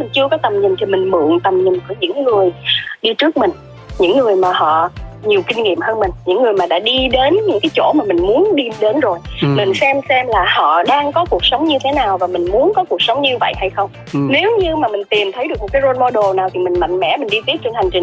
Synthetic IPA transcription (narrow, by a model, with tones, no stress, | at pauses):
mi˨˩ŋ̟t͡ɕɨ˧əkɔ˨˦t̪ə˨˩mɲï˨˩nt̪ʰi˨˩mï˨˩ŋ̟mɨ̰˧˨əŋt̪ə˨˩mɲï˨˩nku˧˩əɲɨ̰˧˥ŋːɨ˨˩əjɗi˧t͡ɕɨ˦˥ək̚mï˨˩ŋ̟ | ɲɨ̰˧˥ŋːɨ˨˩əjmaː˨˩hɔ̰˧˨ɲi˨˩əwkï˧ŋ̟ŋḭ˧˨əmhəː˧nmi˨˩ŋ̟ɲɨ̰˧˥ŋːɨ˨˩əjmaː˨˩ɗa̰ː˧˥ɗi˧ɗe˨˦nɲɨ̰˧˥ŋkaː˨˦jt͡ɕo̰˧˩maː˨˩mï˨˩ŋ̟mu˨˦ənɗi˧ɗe˨˦nzo˨˩jmï˨˩ŋ̟sɛ˧msɛ˧mlaː˨˩hɔ̰˧˨ɗaː˧ŋkɔ˨˦ku˨˩ək̚sə˨˦wŋ͡mɲɨ˧t̪ʰe˨˦naː˨˩wvaː˨˩mï˨˩ŋ̟mu˨˦ənkɔ˨˦ku˨˩ək̚sə˨˦wŋ͡mɲɨ˧və̰˧˨jha˧jxə˧wŋ͡m | ne˨˦wɲɨ˧maː˨˩mï˨˩ŋ̟t̪i˨˩mt̪ʰə˨˦jɗɨ˨˩əkmo˨˩t̚kːjzo˧nmɔ˧ɗo˨˩naː˨˩wt̪ʰi˨˩mï˨˩ŋ̟ma̰˧˨jŋ̟mɛ̰˧˥mï˨˩ŋ̟ɗi˧t̪i˦˥t̚t͡ɕe˧nha˨˩jŋ̟t͡ɕï˨˩ŋ